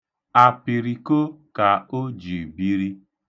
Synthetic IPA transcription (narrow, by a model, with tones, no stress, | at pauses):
a˨pi˨ɾi˨ko˦ka˨o˦d͡ʒi˨bi˦ɾi˦